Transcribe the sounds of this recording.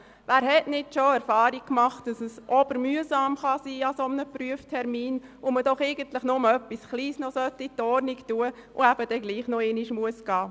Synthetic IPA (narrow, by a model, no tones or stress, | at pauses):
ʋæːɾɦɛtnɪtʃoɛɾfɑːɾik̚kmɑχt̚d̥ɑsəsʔɔb̥əɾmyəsɑːmχɑsiːɑsomnəpɾyəftʰɛɾmiːnʊmədɔχeɪɡənt̪ləχnʊməœpːisχliːsnɔsœtːitɔɾniktuəʔʊæb̥əd̥ɛɡliːχnɔeniʃmuəsɡ̥ɑː